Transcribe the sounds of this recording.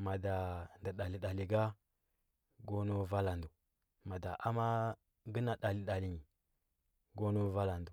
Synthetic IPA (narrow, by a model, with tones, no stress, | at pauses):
ma˨da˨nda˨ɗa˨li˨ɗa˨li˨ɡa˦ | ɡo˦no˦va˦la˨ndu˨ | ma˨da˨ʔa˦ma˦ | ɡə˦na˨ɗa˨li˨ɗa˨li˨ɲi˨ | ɡo˦no˦va˦la˨ndu˨